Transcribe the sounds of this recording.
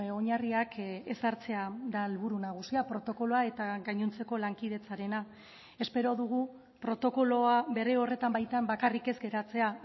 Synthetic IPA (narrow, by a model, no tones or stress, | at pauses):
o̞ɲariake̞saɾt͡se̞aðalβuɾunaɣ̞usiapɾo̞t̪o̞ko̞lo̞ae̞t̪aɣajɲunt͡se̞ko̞laŋkið̞e̞t͡saɾe̞na | e̞spe̞ɾo̞ðuɣ̞u | pɾo̞t̪o̞ko̞lo̞aβe̞ɾe̞o̞re̞t̪ambajt̪ambakarike̞zɡe̞ɾat͡se̞a